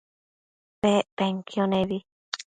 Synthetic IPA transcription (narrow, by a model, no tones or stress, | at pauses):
peʔpeŋkioneβi